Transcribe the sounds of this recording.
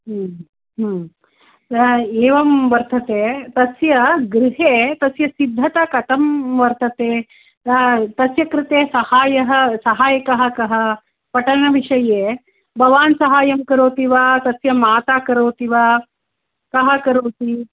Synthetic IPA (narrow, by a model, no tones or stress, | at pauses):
ɦ | ɦ | eːʋɐmʋɐɾt̪ʰɐt̪eːt̪ɐsjɐɡɾɪɦeːt̪ɐsjɐsid̪ʱːɐt̪ɐkɐt̪ɐmʋɐɾt̪ʰɐt̪eː | t̪ɐsjɐkɾɪt̪eːsɐhaːjɐɦɐsɐɦaːjɐkɐɦɐkɐɦɐ̆ | pɐʈɐnɐʋiʂɐjeː | bʱɐʋaːnsɐɦaːjɐmkɐɾoːt̪iʋaːt̪ɐsjɐmaːt̪aːkɐɾoːt̪iʋa | kɐɦɐ̆kɐɾoːt̪i